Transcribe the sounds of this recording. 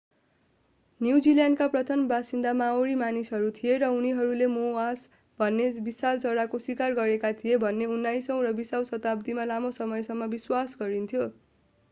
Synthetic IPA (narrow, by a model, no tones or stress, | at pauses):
njuwd͡ziljanɖkaprʌt̪ʰʌmbasind̪amaoɾimanisɦʌɾut̪ʰijeɾʌuniɦʌɾulemoas | bʱʌnːebisalt͡sʌɽakoswikarɡʌɾekat̪ʰijebʱʌnːeunːajsʌw̃rʌbisaw̃sʌt̪ab̚d̪imalamosʌmʌjsʌŋːʌbiswasɡʌɾint̪ʰijo